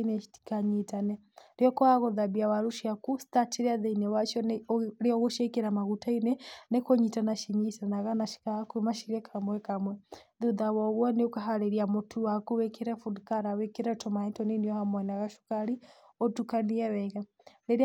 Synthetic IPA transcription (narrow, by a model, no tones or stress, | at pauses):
inɛii̥kaɲitanɛ | ɾɔkɔaɣoðabiawaɾuʃiakusi̥tateɾeaðɛinɛwaʃɔnɾeɔɣoʃɛkeɾamaɣutainɛnekoɲitanaʃiɲitanaɣanaʃi̥kaakuemaʃiɾɛkʰamwɛkamwɛðuðawɔɣwɔneokaɦaɾeɾiamotʰuwakuwekeɾɛfudkaɾawekeɾɛtɔmaɛtɔniniɔhamwɛnaɣaʃu̥kaɾi | ɔtukaniɛwɛɣa | neɾ